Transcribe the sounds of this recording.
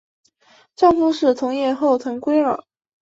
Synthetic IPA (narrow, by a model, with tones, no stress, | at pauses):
ʈ͡ʂɑ˥˧ŋkʰʊ˥ŋʂɻ̩˥˩t̪ʰʊ˧˥ŋjɛ˥˧xo˥˩ʊt̪ʰɤ˧˥ŋkwe˥ɪə̰˨˩˦